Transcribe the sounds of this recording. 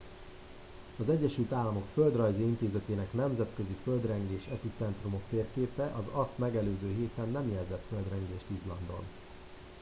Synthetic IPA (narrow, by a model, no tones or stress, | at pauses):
ɒzɛɟːɛʃylt̪aːlːɒmo̞kføld̪rɒjziint̪eːzɛt̪eːnɛkn̪ɛmzɛt̪køziføld̪rɛŋɡeːʃɛpit̪sɛnt̪rumo̞kt̪eːrkeːpɛʔɒzɒst̪mɛɡɛløːzøːɦeːt̪ɛnːɛmjɛlzɛt̪fø̞ld̪rɛŋɡeːʃt̪izlɒnd̪o̞̰n